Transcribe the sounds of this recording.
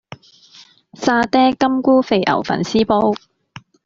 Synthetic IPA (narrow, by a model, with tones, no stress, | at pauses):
saː˧t̪ɛː˥kɐ˥mkuː˥fe˧jʔɐ̰˨˩wfɐ̰˨˩nsiː˥po˥w